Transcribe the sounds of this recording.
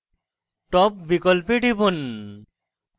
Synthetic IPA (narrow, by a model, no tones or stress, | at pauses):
ʈɔpbikɔlpeɖibon